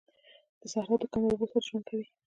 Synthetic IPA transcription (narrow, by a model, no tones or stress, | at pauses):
d̪̥əsahɾɑt̪okamalbusaɾʒwankʰawi